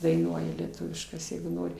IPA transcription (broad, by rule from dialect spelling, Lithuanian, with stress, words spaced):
dɐɪˈnuɔjɛ lʲiɛˈtʊʋʲɪʃkɐs jɛɪɡʊ ˈnoːrʲɪ